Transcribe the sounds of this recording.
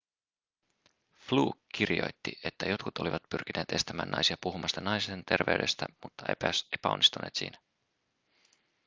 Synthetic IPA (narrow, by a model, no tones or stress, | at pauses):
fluːkːirijo̞̰jt̪ːiʔet̪ːæjo̞t̪kut̪o̞liʋɑt̪̚pyrk̟inʔe̞ːt̪e̞st̪æmæ̰ːnːɑ̰jsiɑpuɦumɑst̪ɑnɑjsient̪e̞rʋe̞yde̞st̪æmut̪ːɑepæsepæonːist̪unʔe̞ːt̪sḭːnæ